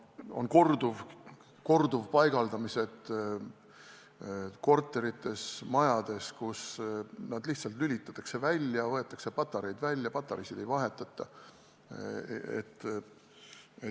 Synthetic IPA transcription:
o̞nko̞rd̪̥uv | ko̞rd̪uvpɑjɡ̥ɑld̪ɑmise̞d̪ | ko̞rt̪ːˑe̞ɾit̪ˑːe̞smɑjɑd̪̥e̞skusnɑd̪liht̪sɑlt̪ˑlylʲit̪ˑːɑ̥t̪ːˑɑkse̞vælʲːjɑvɤe̞t̪ːˑɑkse̞pɑt̪ːˑɑɾe̞jd̪̥vælʲːjɑpɑt̪ːˑɑɾisid̪̥e̞jvɑɦe̞t̪ːˑɑt̪ˑːɑ | ḛt̪ːˑ | e

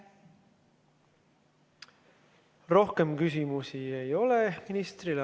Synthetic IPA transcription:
ro̞hke̞mkysimusie̞jo̞le̞minist̪rilɑ

